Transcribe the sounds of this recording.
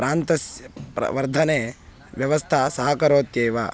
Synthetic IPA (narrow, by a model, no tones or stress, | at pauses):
ɾaːnt̪ɐspɐ̰ʋɐɾd̪ʱɐneː | ʋjɐʋɐst̪ʰɐsɐɦɐkɐɾoːt̪jeːʋa̰